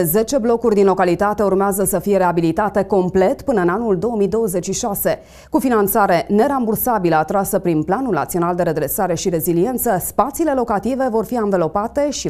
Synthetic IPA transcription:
zet͡ʃe̞blo̞kurʲd̪inlo̞kalit̪at̪e̞urmeazəsəfije̞ɾeabilit̪at̪e̞ko̞mple̞t̪pɨnəɨnanuld̪o̞wəmid̪o̞wəze̞t͡ʃʃiʃase̞ | kufinant̪saɾe̞ne̞ɾambursabiləat̪ɾasəpɾinplanulna̰t̪sio̞nald̪e̞ɾe̞d̪ɾe̞saɾe̞ʃiɾe̞zilie̞nt̪səspat̪sile̞lo̞kat̪ive̞vo̞rfianvəlo̞pat̪e̞ʃi

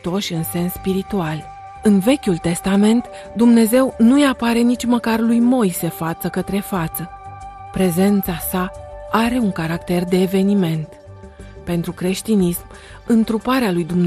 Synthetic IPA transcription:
t̪o̞ʃʲɨnse̞nsːpiɾit̪ual | ɨnve̞kʲult̪e̞st̪ame̞nt̪ | d̪umne̞ze̞wnujapaɾe̞nit͡ʃʲməkarlujmo̞jse̞fat̪səkət̪ɾe̞fat̪sə | pɾe̞ze̞nt̪sasaaɾe̞uŋkaɾakt̪e̞rd̪e̞ːve̞nime̞nt̪ | pe̞nt̪ɾukɾe̞ʃt̪inism | ɨnt̪ɾupaɾealujd̪umn

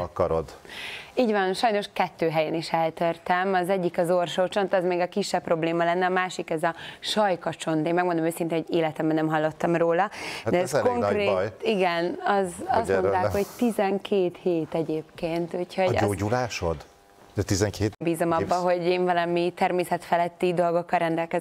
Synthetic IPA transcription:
ɒkɒɾod̪iːɟvanʃɒjno̞ʃkɛt̪ːøːɦɛjɛniʃɛlt̪øːrt̪ɛmɒzɛɟːikɒzo̞rʃoːt͡ʃo̞nt̪ɛzmeːɡɒkiʃːɛpːro̞bleːmɒlɛnːɛɒmaːʃikɛzɒʃɒjkɒt͡ʃo̞nt̪eːnmɛɡ̚mo̞nd̪omøːsint̪eːnɦoɟeːlɛt̪ɛmbɛnːɛmɦɒlːo̞t̪ːɒmroːlɒd̪ɛsskoŋkreːtjt̪iɡɛnɒzɒsmont̪aːkho̞ɟt̪izɛŋkʰeːt̪heːt̪ɛɟeːpkeːnt̪uːcho̞ɟ̰oːɟulaːʃo̰d̪ | d̪ɛt̪izɛŋkeːt̪biːzomɒbːɒɦo̞ɟeːɱvɒlɒmit̪ɛrmeːsɛt̪fɛlɛt̪ːid̪o̞lɡo̞kːɒlrɛnd̪ɛlkɛz

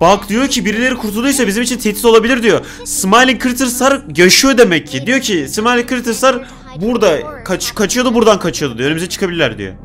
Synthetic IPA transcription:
bakd̪ijo̞ɾcʰibiɾilʲe̞ɾikʰuɾt̪ʰulˠujsabizimit͡ʃʰint̪ʰet̪ʰit̪olˠabilʲiɾd̪ijo | smajlʲinkʰɾit̪ʰɯɾsaɾjaʃɯjo̞d̪e̞mɛcʰːid̪ijo̞cʰismalʲikɾit̪ɯɾsaɾ | buɾd̪akʰat͡ʃkʰat͡ʃʰɯjo̞d̪ubuɾd̪ankʰat͡ʃʰɯjod̪ud̪ionymyzɛt͡ʃʰɯ̥kʰabilʲilʲæ̰ɾd̪ḭjo̰

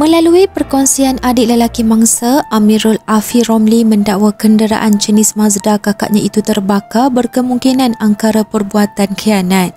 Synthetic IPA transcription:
mə̃laluipərkɔnsianadɪʔləlakimãŋsaamiɾʊlafirɔmlimə̃ndaʔwakəndəɾa̰ʔant͡ʃənɪsmãzdakaka̰ʔɲãit̪ut̪ərbakabərkəmuŋkinãnaŋkaɾapərbuat̪ankəjanãt̪̚

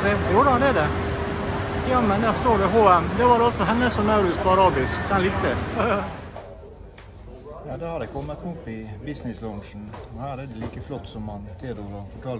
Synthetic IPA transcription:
ɛjuːɖəhɑnd̪ɛd̪ɛ | jɑːmɛnd̪æfʂt̪oːɖɛɦoːɛmd̪ɛʋɑɖɔlsɔɦɛnːəsɔnɑʊɾʉspɔɑɾɑːbɪskd̪ɛnlɪkt̪ə | jɑːd̪ɛhɑɾɛkʰɔmːət̪ʊpːɪbɪsnɪslɔnʂn̩ɔhæːɾɛd̪ɛliːkəflɔt̪ːsɔmhɑnt̪ʰeːɾɔɡɑfɔʈʰɑl

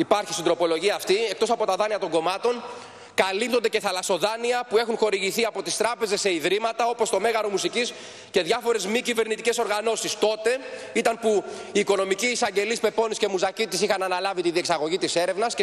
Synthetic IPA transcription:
ipɐɾçist̪ind̪ɾo̞po̞lo̞ʝiɐːft̪iek̚t̪o̞sɐpo̞t̪ɐðɐniɐt̪o̞ŋɡo̞mɐt̪o̞n | kɐlip̚t̪ond̪e̞ce̞θɐlɐso̞ðɐniɐpue̞xunxo̞ɾiʝiθiɐpo̞t̪ist̪ɾɐpe̞ze̞sːe̞iðɾimɐt̪ɐo̞post̪o̞me̞ɣɐɾomusicis | ce̞ðʝɐfo̞ɾe̞zmicive̞ɾnit̪ice̞so̞ɾɣɐno̞sist̪o̞t̪e̞it̪ɐnpuiːko̞no̞miciːsɐɲɟe̞lispe̞po̞nisce̞muzɐcit̪isixɐnɐnɐlɐvit̪iðieksɐɣo̞ʝit̪ise̞ɾe̞vnɐsc

